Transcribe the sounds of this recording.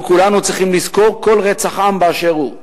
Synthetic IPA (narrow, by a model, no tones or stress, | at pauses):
kulanut͡sʁiχimlizko̞ʁko̞lʁet͡saχambeaʃeʁu